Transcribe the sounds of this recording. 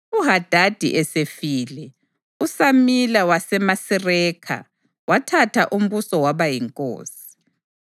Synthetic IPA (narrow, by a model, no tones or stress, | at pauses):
uɦad̥ʱad̥ʱḭʔɛsefiːlɛ | usamilawasɛmasirɛːkʰa̰ | watʰatʰaʔum̩βusɔwaβajiŋkʼo̰ːsi̥